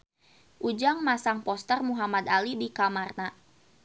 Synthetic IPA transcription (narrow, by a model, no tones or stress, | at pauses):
ʔud͡ʒaŋmasaŋpɔst̪ərmuɦamad̪alibikamarna